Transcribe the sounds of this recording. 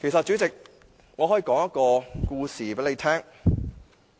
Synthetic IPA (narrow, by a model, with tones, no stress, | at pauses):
kʰe˨˩sɐ˨t̚t͡ʃy˨˥t͡sɪ˨k̚ | ŋɔː˨˧hɔː˨˥ji˨˧˥kɔː˨˥ŋjɐ˥t̚kɔː˧kuː˧siː˨˩pe˨˥le˨˧jt̪ʰɛː˥ŋ